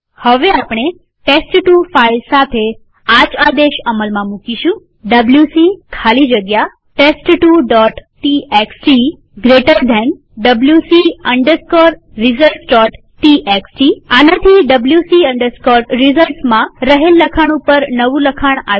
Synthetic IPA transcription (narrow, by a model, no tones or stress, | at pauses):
həʋeapɳ̃e | ʈesʈʈufailsat̪ʰe | ad͡ʒad̪eʃəməlmãmũkiʃũ | ɖəbljusikʰalid͡ʒəɡja | ʈesʈʈuɖɔʈʈieksʈi | ɡɾeʈəɾd̪ʱɛn | ɖəbljusiəɳɖəɾskɔɾ | ɾizəlʈsɖɔʈ | ʈiʔeksʈianət̪ʰiɖəbljusiəɳɖəɾskɔɾɾizəlʈsmãɾəɦelːəkʰaɽ̃upəɾnəʋũləkʰaɳ̃a̰